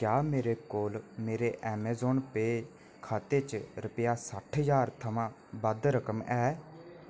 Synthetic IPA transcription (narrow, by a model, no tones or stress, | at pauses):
kjaːmeːɾeːkoːlmeːɾeʔɛːmɛːzoːnpeː | kʰaːt̪eːt͡ʃɾʊpəjaːsəʈʰɦəjaːɾt̪ʰəmãː | bəd̪ɾəkəmɛː